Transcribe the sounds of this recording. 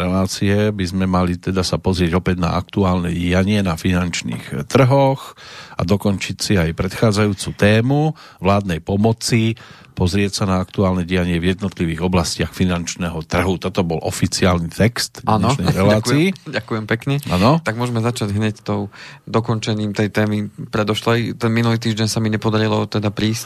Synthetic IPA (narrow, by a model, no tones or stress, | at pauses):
ɾɛlaːt͡siɛbizmɛmalit̪ɛd̪asapɔzɾɪɛɟɔpɛɟna̰ʔakt̪uaːlnɛɟiaɲɪɛnafinant͡ʃnḭːxt̪r̩ɦɔxa̰d̪ɔkɔnt͡ʃicsiajpɾɛt̪xaːd͡zajuːt͡sut̪ɛːmu | ʋlaːd̪nɛjpɔmɔt͡si | pɔzɾɪɛcsanaakt̪uaːlnɛɟiaɲɪɛvjɛd̪nɔt̪liʋiːɣɔblascɪaxfinant͡ʃnɛɦɔt̪r̩ɦut̪ɔt̪ɔbɔlʔɔ̰fit͡siaːlnit̪ɛkst̪a̰nɔnɛɾɛllaaːkt͡siːɟakujɛmpɛkɲɛa̰nɔt̪aɡmʊɔʒɛmɛzat͡ʃaɟɦɲɛct̪ɔʊd̪ɔkɔnt͡ʃɛɲiːmt̪ɛjt̪ɛːmipɾɛd̪ɔʃlɛjt̪ɛnminuliːt̪iːʒɟɛɲsamiɲɛpɔd̪aɾilɔt̪ɛd̪apɾiːs